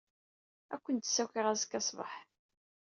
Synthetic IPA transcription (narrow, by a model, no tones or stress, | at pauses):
ækʷːənt̪sːækəʁæzəkːɑsˤvə̰ħ